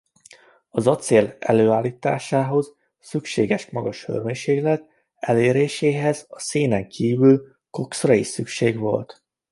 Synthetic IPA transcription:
ɒzɒt̪seːlɛ̰løːaːlːiːt̪a̰ːʃaːɦo̞z | sykʃeːɡɛʃmɒɡɒʃhø̰rmeɲʃeːɡlɛt̪ | ɛleːɾeːʃeːɦɛzɒseːnɛŋkʰiːvyl | ko̞ksrɒiʃsykʃeːɡʋo̞̰lt̪

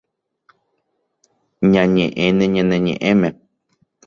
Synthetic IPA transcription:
ɲãɲẽʔẽnẽɲẽnẽɲḛ̃ʔẽmẽ

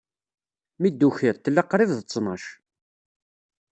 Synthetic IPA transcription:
mid̪ːuçɪɾt̪ːəlːɑqːɾˤɪvðət͡sːnɑʃ

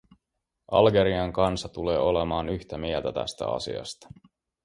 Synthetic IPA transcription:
ʔɑ̰lɡe̞ɾiɑŋkɑnsɑt̪uleːo̞le̞mɑːnyçt̪æmielt̪æt̪æ̰st̪æ̰ɑ̰sḭɑ̰st̪ɑ̥

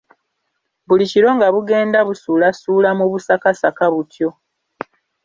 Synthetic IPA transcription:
βuliciɾo̞ŋɡaβuɡe̞ːndaβusulasulamuβusakasakaβutjo̞

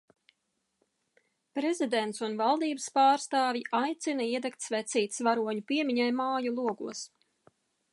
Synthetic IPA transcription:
pɾɛzid̪ɛnt̪sunvalˠd̪iːbəspaːɾst̪aːvʲiʔajt̪sinaiɛd̪ɛkt̪svɛt̪siːt̪svaɾuɔɲupiɛmiɲajmaːjulˠuɔɡuɔs

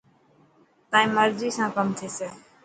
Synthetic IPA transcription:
t̪aːĩːməɾziːsãːkəmt̪ʰeːseː

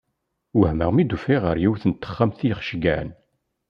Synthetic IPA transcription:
wəhməʁmid̪ufiʁəɾjiwθənt̪ːə̥χːamθijəχʃɡæn

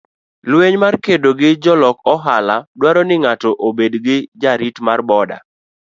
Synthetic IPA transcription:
lweɲmarkedoɡɪd͡ʒɔlɔkɔɦaladwaɾɔnɪŋatɔʔobedɡɪd͡ʒaɾitmarbɔda̰

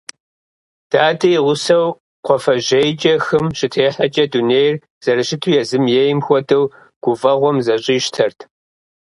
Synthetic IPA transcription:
d̥aːdɐjʁʷʊsɐw | qʷɔfɐʒejd͡ʒʼɐxɨmɕɪtʰeːħɐd͡ʒʼɐduneːjr | z̥ɐɾɨɕɪtʰujɛzɨmjejɪmxʷɔdɐw | ɡ̥ʷʊvɐʁʷɔmzɐɕʼiːʃtʰɐrtʰ

